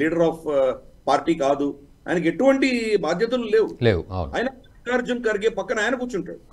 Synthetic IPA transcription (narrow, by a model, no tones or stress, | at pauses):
liːɽɐɾaːpʰpaːɾʈiːkaːd̪u | a̰jnɐkeʈuʋɐɳʈibaːd̪ʱjɐt̪̬ɐluleːwulḛːwuɐ̰ṵnɐ̰ːjɐnɐ | kaːɾd͡ʒɐnkɐɾiɡeːpɐkːɐnaːjɐnɐkut͡ʃːuɳʈa̰ːɽu